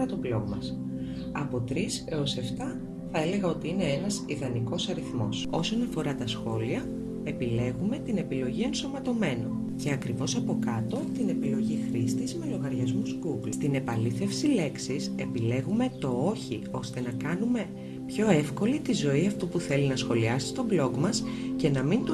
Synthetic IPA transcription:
ɐt̪oplomɐ̰s | ɐpo̞t̪ɾise̞ose̞ft̪ɐ | θɐele̞ɣɐo̞t̪iine̞enɐsiðɐniko̞sɐɾiθmo̞so̞so̞nɐfo̞ɾɐt̪ɐsxo̞liɐ | e̞pile̞ɣume̞pt̪ine̞pilo̞ʝie̞nso̞mɐt̪o̞me̞no̞̰ | ce̞ɐkɾivo̞sɐpo̞kɐt̪o̞t̪ine̞pilo̞ʝixɾist̪izme̞lo̞ɣɐɾʝɐzmuzɡuɡlst̪ine̞pɐliθe̞fsile̞ksise̞pile̞ɣume̞t̪o̞oçio̞st̪e̞nɐkɐnume̞ | pço̞e̞fko̞lit̪izo̞iɐft̪upuθe̞linɐsxo̞liɐsi̥st̪o̞blo̞ɡmɐsce̞nɐmint̪

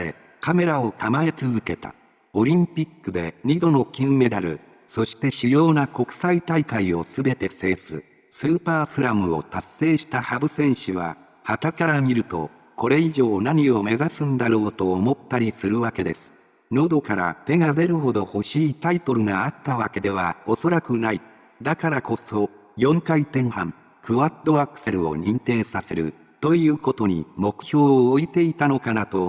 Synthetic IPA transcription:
ɾe̞̰ | kame̞ɾao̞kamaet͡sɨzɨke̞t̪a̰ | o̞ɾʲĩmpʲikːɯ̟d̪e̞ɲ̟id̪o̞no̞kʲɨ̃mme̞d̪aɾɯ̟̰ | so̞ɕi̥t̪e̞ɕijo̞ːnako̞kɯ̟̥sait̪aikaio̞sɨbe̞t̪e̞se̞ːsɨ̰ | sɨːpaːsɨɾamɯ̟o̞̰t̪asːe̞ːɕi̥t̪ahabɯ̟sẽ̞ɰ̃ɕɨβa̰ | hat̪akaɾamʲiɾɯ̟t̪o̞̰ | ko̞ɾe̞iʑo̞ːnaɲ̟io̞me̞zasɨ̃nd̪aɾo̞ːt̪o̞ːmo̞t̪ːaɾʲisɨɾɯ̟βake̞d̪e̞̰sɨ̥ | no̞d̪o̞kaɾa̰t̪e̞ɡad̪e̞ɾɯ̟ɦo̞d̪o̞ho̞ɕiːt̪ait̪o̞ɾɯ̟ɡaat̪ːaβake̞d̪e̞β̞ao̞so̞ɾakɯ̟nai | d̪akaɾako̞so̞ | jõ̞ŋkait̪ẽ̞ɰ̃hãŋ | kɯβad̪o̞akɯ̥se̞ɾɯo̞̰ɲ̟ĩnt̪e̞ːsase̞ɾɯ̟̰ | t̪o̞jɯ̟ːko̞t̪o̞ɲ̟ḭmo̞kɯ̟̥ço̞ːit̪e̞it̪ano̞kanat̪o̞

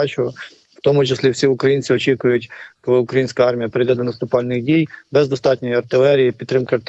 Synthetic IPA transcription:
ɑt͡ʃʊɔ | wt̪ɔmʊt͡ʃɪslʲiwsʲiʊkɾɐjinʲt͡sʲɪɔt͡ʃikʊjʊtʲkɔlˠɪʊkɾɐjinsʲkɐɑrmʲijɐpɾɪd̪ɛd̪ɔnɐst̪ʊpɑlʲnɪɣdʲijbɛzd̪ɔst̪ɑtʲnʲɔjiɐrt̪ɪlˠɛɾʲijipʲid̪t̪ːɾɪmkɪɐrt̪

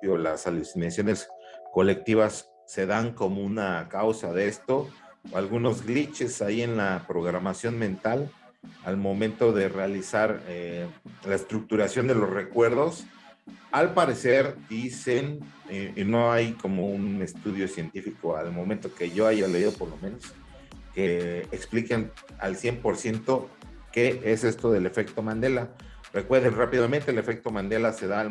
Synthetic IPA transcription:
jolasalusinasjo̞ne̞sko̞le̞k̚t̪iβasː | e̞ðaŋko̞mo̞unakawsaðest̪o̞ | alɣuno̞zɡɣlit͡ʃe̞saie̞nlapɾo̞ɣɾamasjo̞nmẽnt̪al | almõ̞mẽnt̪o̞ðe̞realisaɾelaest̪ɾuk̚t̪uɾasjo̞nd̪e̞lo̞sre̞kwe̞ɾðo̞s | alpaɾe̞se̞ɾd̪ise̞nino̞ajko̞mo̞unne̞st̪uðjo̞sje̞nt̪ifiko̞almoment̪o̞ke̞ʝo̞aʝale̞iðo̞po̞ɾlo̞mẽ̞no̞s | keːkspliken | a̰lsje̞mpo̞ɾsje̞nt̪o̞ | ke̞ese̞st̪o̞ðe̞le̞fe̞kt̪omãnd̪e̞la | re̞kweɾðenrapiðament̪ele̞fe̞k̚t̪o̞mãnd̪e̞lase̞ða

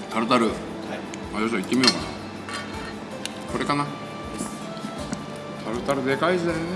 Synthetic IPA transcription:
t̪aɾɯ̟t̪aɾɯ̟ | mad͡ʑoɕ̬oit̪ːemio̞ːkana | ko̞ɾe̞kana | t̪ʰaɾɯ̟t̪aɾɯ̟d̪e̞kaisɨd̪aon

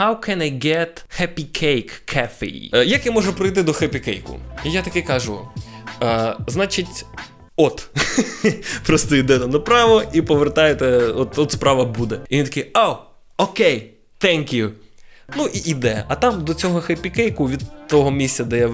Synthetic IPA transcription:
hawkʰɛnajɡɛt̪hɛpʲikʰejkʰːɛfḛḭjɐkjamɔʒʊpɾɪjt̪ɪd̪ɔxɛpʲɪkɛjkʊ̰ijat̪ɐkɪkɐʒʊ | znɑt͡ʃɪtʲ | ɔt̪ | pɾɔst̪ɔid̪ɛt̪ɛnɐpɾɑʋɔipɔʋert̪ɑjet̪ɛɔt̪ɔt̪spɾɑʋɐbud̪ɛiʋint̪ɐkɪo | okej | t̪ɛŋʲkjunuʔiʔid̪ɛɐt̪ɑmd̪ɔt͡sʲɔɦɔxɛpʲikɛjkʊʋʲid̪t̪ɔɦɔmʲisʲtʲt͡sʲɐd̪ɛjaʋ

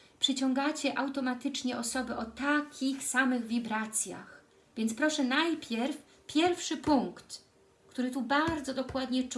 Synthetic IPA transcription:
pʂɘt͡ɕɔŋɡat͡ɕɛʔawt̪ɔmat̪ɘt͡ʂɲɛʔɔsɔbɘʔɔt̪akʲixsamɘɣvʲibɾat̪sʲja̰x | vʲjɛnt̪spɾɔʂɛnajpʲjɛɾf | pʲjɛɾfʂɘpuŋkt̪ | kt̪uɾɘt̪ubaɾd̪zɔd̪ɔkwad̪ɲɛt͡ʂ

